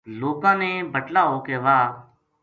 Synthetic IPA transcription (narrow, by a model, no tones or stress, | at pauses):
loːkãːnẽːbʱəʈlaːɦoːkeːʋaː